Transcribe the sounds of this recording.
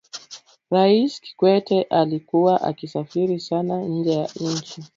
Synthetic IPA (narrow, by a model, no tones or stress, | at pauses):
ɾaiski̥kwɛtɛʔalikuwaʔa̰kisafiɾisanaɲ̩d͡ʒɛjaɲ̩̃nt͡ʃi